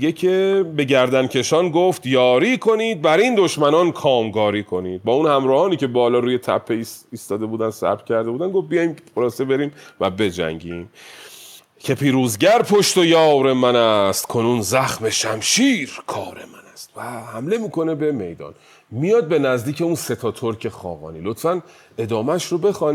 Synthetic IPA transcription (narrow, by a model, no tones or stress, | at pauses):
ecʰe̞be̞ɟæɾd̪æncʲʰe̞ʃɒːnɡoft̪jɒːɾiːkʰo̞niːd̪̚bæɾind̪o̞ʃmænɒnkʰɒːmɡɒːɾiːkʰo̞niːd̪̚bɒːunhæmɾɒːhɒːniːcʰe̞bɒːlɒːɾuːje̞t̪ʰæ̰pʰːeiiːst̪ɒːd̪e̞buːd̪ænsæ̰bɾcʲʰæɾd̪e̞buːd̪ænɡofbijɒjmχolɒːsebe̞ɾiːmvæbe̞d͡ʒæ̰ŋɟiːm | cʰe̞pʰiːɾuːzɟæɾpʰoʃt̪o̞jɒːwɾe̞mænæst̪kʰo̞nuːnzæxme̞ʃæmʃiːɾkʰɒːɾemænæst̪væhæmle̞miːko̞ne̞be̞me̞jd̪ɒ̰ːn | mijɒːd̪̚be̞næzd̪iːcʰe̞unset̪ʰɒːt̪ʰoɾcʰe̞xɒ̰ːɣɒ̰ːniːlo̞t̪fæn | e̞d̪ɒːmæʃɾobe̞xɒːn